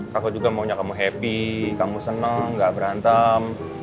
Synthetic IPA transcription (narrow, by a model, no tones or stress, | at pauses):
kakod͡ʒuɡamauɲakamuɦepikamusənəŋɡaʔbəɾant̪am